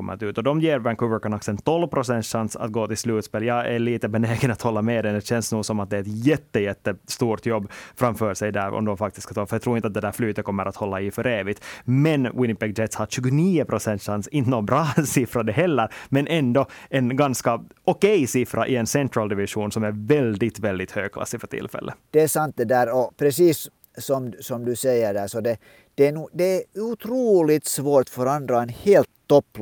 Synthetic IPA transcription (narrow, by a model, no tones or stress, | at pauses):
ɔmːə̰ɾa̰t̪ʉ̟ːt̪ɔd̪ɔmjeːɾvɛnkʰʉvəɾkɔnɔksɛnt̪ʰɔlvpʰɾʊsɛnt̪ʂansa̰t̪̚ɡoːt̪ɪlslʉːt̪speːlːjɑːæɭiːt̪əbɛneːɡənat̪hɔlːamɛːd̪ɛnd̪ɛɕɛnsnuːsɔmat̪̚d̪ɛɛt̪jɛt̪ːəjɛt̪ːəst̪uːt̪jɔbːfɾamfœːʂɛjd̪æɾɔ̰md̪ɔmfak̚t̪ɪ̥st̪kḁt̪ɑːfœjɑt̪ʰɾuːɪnt̪əat̪̚d̪ɛd̪æːɾflyːt̪ət̪kʰɔmːəɾʔat̪hɔlːaɪfœɾeːvɪt̪mɛnwɪnɪpɛɡ̚d͡ʒɛt̪shaʂʉːɡʊniːʊpʰɾʊsɛnt̪ʂansɪnt̪ənoːbɾɑːsɪfɾad̪ɛɦɛlːəɾmɛnʔɛnd̪ɔɛnɡɑnskɑ | ɔkɛjsɪfɾʔaʔɪɛnsɛnt̪ɾɑld̪ɪʋɪʂuːnsɔmæɾvɛld̪ɪt̪vɛld̪ɪt̪høːɡ̚kʰlɑ̰sːɪfœʈʰɪ̰lfɛ̰lːʔə̰d̪̥ɛæsɑnt̪̚d̪ɛd̪æːɾɔpʰɾɛsiːsː | ɔmsɔmd̪ʉsɛjəɖæːsɔd̪ɛ | d̪̥ɛænuːd̪ɛæɾʉt̪ʰɾuːlɪt̪svoːɾʈ̪fœɾɑnd̪ɾaɛnheːlt̪ːɔpː